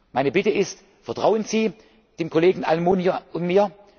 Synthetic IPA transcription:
maɪnəbɪtəɪst | fɛɐtʁ̥aʊənziː | d̥eːmkʰoleːɡŋ̩ʔalmuːnjoʊnmiːɐ

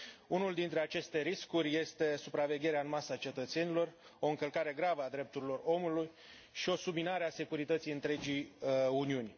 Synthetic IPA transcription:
unuld̪int̪ɾe̞at͡ʃe̞st̪e̞ɾiskurʲje̞st̪e̞supɾave̞ɡʲe̞ɾeaɨnmasat͡ʃe̞t̪ət̪se̞nilo̞ro̞ɨŋkəlkaɾe̞ɡɾavəad̪ɾe̞p̚t̪uɾilo̞ro̞muluj | ʃio̞subminaɾease̞kuɾit̪ət̪sijɨnt̪ɾe̞d͡ʒijuniunʲ

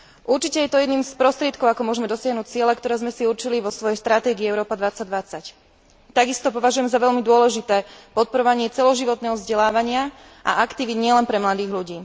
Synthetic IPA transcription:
ʔuɾt͡ʃicɛjɛt̪ɔjɛd̪niːmspɾɔst̪ɾɪɛt̪̚kɔʊakɔmʊɔʒɛmɛd̪ɔsɪaɦnuːc̚t͡sɪɛlɛkt̪ɔɾɛːzmɛsiuɾt͡ʃiliʋɔsʋɔjɛjst̪ɾat̪ɛːɡiːɛʊɾɔːpad̪ʋat͡saɟ̚d̪ʋat͡sac | t̪aɡist̪ɔpɔʋaʒujɛmzaʋɛʎmid̪ʊɔlɛʒit̪ɛːpɔt̪̚pɔɾɔʋaɲɪɛt͡sɛlɔʒiʋɔt̪nɛːɦɔvzɟɛlaːʋaɲɪa | ʔa̰ʔakt̪iʋid̪ɲɪɛlɛnpɾɛmlad̪iːɣʎuɟiː

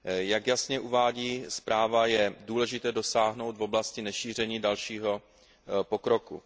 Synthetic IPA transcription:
jakjasɲɛʔuvaːɟiːspɾaːvajɛduːlɛʒɪt̪ɛːdo̞saːɦno̞wt̪vo̞blascɪnɛʃiːr̝ɛɲiːdalʃiːɦo̞ | po̞kɾo̞kṵ

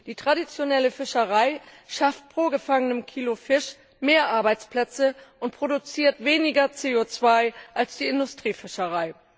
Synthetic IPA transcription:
d̥iːtʁ̥adit͡sjonɛləfɪʃəʁaɪʃaft̚pʁ̥oːɡəfaŋənəmkʰiːlofɪʃ | meːɐʔaɐbaɪt͡spl̥ɛt͡səʔʊnt̚pʁ̥odut͡siːɐtv̥eːnɪɡɐt͡seːot͡sv̥aɪʔalsd̥iːɪndʊstʁ̥iːfɪʃəʁaɪ

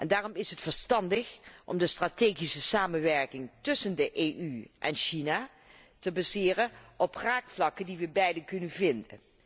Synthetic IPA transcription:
ʔɛndaːrɔmɪsɦətfəɹstɑndəxʔɔ̰mdəstraːteːχisəsaːmənʋɛɹkɪŋtɵsəndəʔeʔyʔɛnʃina | təbazɪːrənʔɔpraːkflɑkədiʋəbɛjdəkɵnənvɪndə̰n

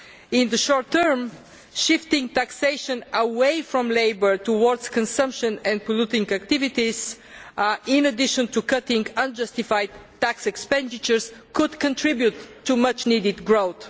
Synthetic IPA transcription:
ɪ̃nðəʃɔɹt̪ːəɹm | ʃɪft̪ɪ̃ŋɡ̚t̪ækseɪʃə̃nəweɪfɹɔ̃mleɪbə˞t̪uwɔɹd̪z̥kə̃nsʌ̃mpʃə̃nɛ̃nd̪̚pəlut̪ɪ̃ŋɡæk̚t̪ɪvɪt̪iz̥ | ɪ̃nəd̪ɪʃə̃nt̪ukʌt̪ɪ̃ŋɡə̃nd͡ʒʌst̪ifaɪd̪ʰ | æksɛkspɛ̃nd̪ɪt͡ʃəɹskʊd̪kə̃ntʰɹibjut̪ːumʌt͡ʃnid̪ɪd̪ɡɹoʊθ

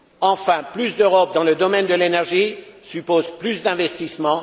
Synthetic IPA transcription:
ɑ̃fɛ̃plysd̪øʁɔp̚d̪ɑ̃ləd̪ɔmɛnd̪əlenɛʁʒisypozplysd̪ɛ̃vɛst̪ismɑ̃

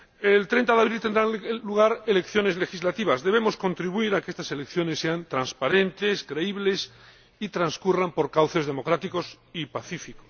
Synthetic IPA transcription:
elt̪ɾẽnt̪aðeaβɾilt̪e̞nd̪ɾaluɣ̞aɾe̞le̞kθjo̞ne̞zle̞xizlat̪iβazðeβe̞mo̞sko̞nt̪ɾiβuiɾakeest̪ase̞lekθjo̞ne̞sːe̞ant̪ɾanspaɾe̞nt̪e̞skɾe̞iβle̞s | it̪ɾanskurampo̞ɾkawθe̞zðe̞mo̞kɾat̪iko̞s | ipaθifikos

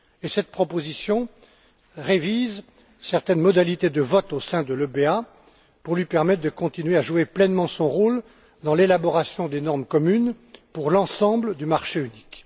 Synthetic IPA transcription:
esɛt̪̚pχɔpozisjɔ̃ | ʁeviz | sɛʁt̪ɛnmɔd̪alit̪ed̪əvɔt̪osɛ̃d̪əløbea | puʁlɥipɛʁmɛt̪χd̪əkɔ̃t̪inɥeaʒueplɛnmɑ̃sɔ̃ʁol | d̪ɑ̃lelabɔʁasjɔ̃d̪enɔʁmkɔmyn | puʁlɑ̃sɑ̃bləd̪ymaʁʃeynik

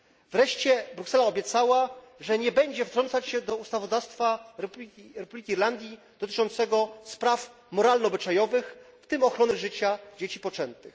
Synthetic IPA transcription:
vɾɛʂt͡ɕɛbɾuksɛlaɔbʲjɛt̪sawa | ʐɛɲɛbɛɲd͡ʑɛft̪ɾɔnt̪sat͡ɕɕɛd̪ɔust̪avɔd̪afst̪fa | ɾɛpublʲikʲiːɾland̪ʲji | d̪̥ɔt̪ɘ̥t͡ʂɔnt̪sɛɡɔspɾaf | mɔɾalnɔːbɘt͡ʂajɔvɘxft̪ɘmɔxɾɔnɘʐɘt͡ɕad͡ʑet͡ɕipɔt͡ʂɛnt̪ɘx

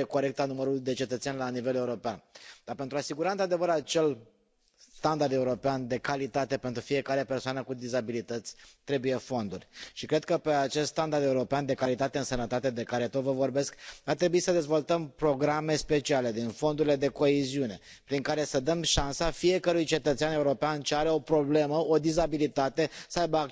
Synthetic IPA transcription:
eko̞ɾe̞k̚t̪anuməɾuld̪e̞t͡ʃe̞t̪ət̪sʲanʲlanive̞le̞uɾo̞peand̪aɾpe̞nt̪ɾuasiɡuɾaɨnt̪ɾad̪e̞vəɾat͡ʃe̞l | st̪and̪ard̪e̞uɾo̞peand̪e̞kalit̪at̪e̞pe̞nt̪ɾufije̞kaɾe̞pe̞rsoanəkud̪izabilit̪ət̪sʲt̪ɾe̞buje̞fo̞nd̪urʲʃikɾe̞d̪̚kəpe̞at͡ʃe̞st̪st̪and̪ard̪euɾo̞peand̪e̞kalit̪at̪e̞ɨnsənət̪at̪e̞d̪e̞kaɾe̞t̪o̞t̪vəvo̞rbe̞skart̪ɾe̞buisəd̪e̞zvo̞lt̪əmpɾo̞ɡɾame̞spe̞t͡ʃiale̞d̪info̞nd̪uɾile̞d̪e̞ko̞eziune̞ | pɾiŋkaɾe̞səd̪əmʃansafije̞kəɾujt͡ʃe̞t̪ət̪seane̞uɾo̞peant͡ʃeaɾe̞o̞pɾo̞ble̞məod̪izabilit̪at̪e̞səajbəa

